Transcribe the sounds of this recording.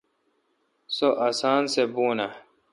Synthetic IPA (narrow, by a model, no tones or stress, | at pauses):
soʔasaːnsebuːna